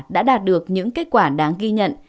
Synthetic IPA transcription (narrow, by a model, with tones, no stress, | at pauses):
ɗa̰ː˧˥ɗaː˨˩t̚ɗɨ˨˩ək̚ɲɨ̰˧˥ŋke˦˥t̚kwaː˧˩ɗaː˨˦ŋɣi˧ɲə̰˧˨n